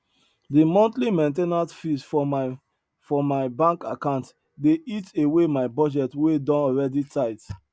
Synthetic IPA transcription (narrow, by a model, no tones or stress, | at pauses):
dimɔ̃ntlimẽntenasfisfɔ | fɔmaɪbãŋkakãʊ̃nt | deʔitewemaɪbɔd͡ʒɛtwedɔ̃nɔɹɛditʰaɪt